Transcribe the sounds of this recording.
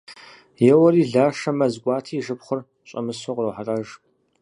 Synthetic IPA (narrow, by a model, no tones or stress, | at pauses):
jɛwɐɾiːɮaːʂɐmɐzɡʷʼɑːtʰiːʒɨpχʷʊr | ɕʼɐ̰mɨsoqrɐwħarʼɐʒ